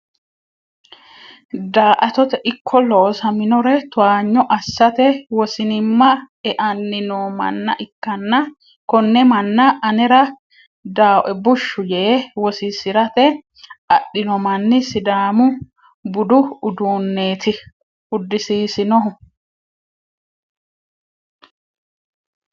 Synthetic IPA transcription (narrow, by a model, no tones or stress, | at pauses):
d̪aːʔɐt̪ɔt̪ɛʔɪkʰːɔloːsɐmɪnɔɾɛt̪ʊaːɲːɔʔɐsːɐt̪ɛwɔsɪnɪmːɐ | ɛʔɐnːɪnɔmɐ̰nːɐ̰ʔɪkːɐnːɐ | kɔnːɛmɐnːɐʔɐnɛɾɐ | d̪aːʔɛbʊʃːʊjɛwɔsisɪɾɐt̪ɛ | ɐɗːɪnɔmɐnːɪsɪd̪aːmʊ | bʊd̪ʊʊd̪uːnːeːt̪ʰɪ | ʊd̪ːɪsiːsɪnɔɦʊ